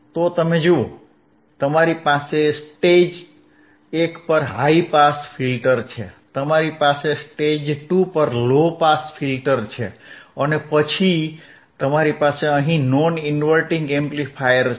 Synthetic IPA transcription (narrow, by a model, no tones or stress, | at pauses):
t̪ot̪əmed͡ʒoo̰ | t̪əmaɾipasesʈed͡ʒ | ekpəɾɦaipasfʰilʈəɾt͡ʃʰḛt̪əmaɾipasesʈed͡ʒʈupəɾlopasfʰilʈəɾt͡ʃʰeənepət͡ʃʰi | t̪əmaɾipaseəɦĩnɔnɪnʋəɾʈĩŋɡẽmplifʰajəɾ